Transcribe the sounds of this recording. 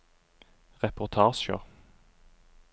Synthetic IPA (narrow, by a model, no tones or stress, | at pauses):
ʁɛpʊʁt̪ʰɑːʃə̰ʁ